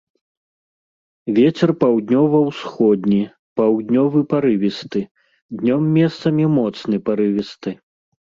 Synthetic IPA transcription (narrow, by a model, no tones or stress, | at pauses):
vʲɛt͡sʲɛrpawd̪ʲnʲɔvɐwsxɔd̪̚ʲnʲi | pawd̪ʲnʲɔvɨpaɾɨvʲist̪ɨ | d̪nʲɔmːʲɛst̪sɐmʲɛmɔt̪snɨpaɾɨvʲist̪ɨ